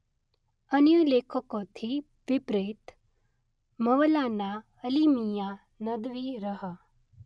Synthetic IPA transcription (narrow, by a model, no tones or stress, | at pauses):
ənjuleːkʰəkot̪ʰi | ʋipɾit̪ | məʋəlaːna | əlimija | nəd̪ʋiɾəɦə